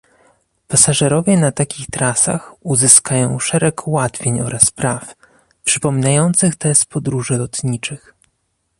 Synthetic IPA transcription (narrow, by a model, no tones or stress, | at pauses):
pasaʐɛɾɔvʲjɛnat̪akʲixt̪ɾasa̰xuzɘskajɔ̃w̃ʂɛɾɛkʰwat̪fʲjeɲɔɾʔaspɾaf | pʂɘpɔmʲinajɔnt̪sɘxt̪ɛspɔd̪ɾuʐɘlɔt̪ɲit͡ʂɘx